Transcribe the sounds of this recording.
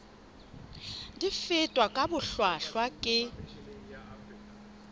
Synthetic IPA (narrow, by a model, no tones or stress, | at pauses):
difɪtʼwakʼabʊɬwaɬwakʼɪ